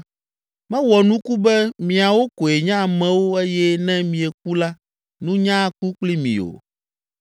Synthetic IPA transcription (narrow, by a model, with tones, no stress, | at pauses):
mɛ̃˦wɔ˨nũ˦ku˦bɛ˦mĩ˨a˨wo˦ko˨e˨ɲã˦˨mɛ̃˨˦wo˦e˦jɛ˦nɛ̃˦mĩ˨ɛ˨k̚u˦la˦ | nũ˦ɲã˦ku˦k͡pli˦mḭ̃˨o̰˨